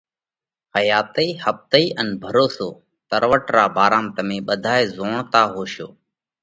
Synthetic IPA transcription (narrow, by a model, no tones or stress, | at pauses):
həjaːt̪əiːhəp̚t̪əiːʔənbʱəɾoːsoː | t̪əɾʋəʈɾaːbaːɾaːmt̪əmẽːɓəd̪ʱaːeːzoːɳt̪aːɦoːʃjo̰ː